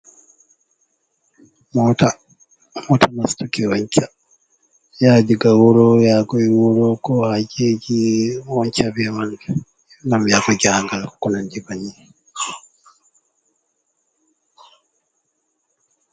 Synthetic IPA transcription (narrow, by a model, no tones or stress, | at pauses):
mɔta | mɔtʰamastukɛwɔɲt͡ʃa | jad͡ʒiɡawɔɾɔjaɡɔiwuɾɔkɔhad͡ʒed͡ʒiwɔɲt͡ʃabɛwandɛ | ɡamjaɡɔd͡ʒaaŋɡalkɔnand͡ʒibaɲi